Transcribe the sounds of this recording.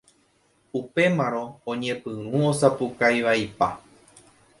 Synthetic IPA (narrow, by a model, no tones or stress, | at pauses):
upe̞mãɾõ̞ːɲẽ̞pɨ̃ũosapukajʋaipa